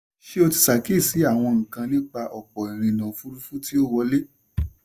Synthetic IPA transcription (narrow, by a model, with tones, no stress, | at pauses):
ʃe˦o˧ti˧sa˨ke˦˨si˨˦a˦˨w̃ɔ̃˧ŋ̩˨kã˧nĩ˦k͡pa˧ʔɔ˨k͡pɔ˨i˨ɾ̃ĩ˨˧nã˨˦fu˦ɾu˦fu˦ti˦o˦wɔ˧le˦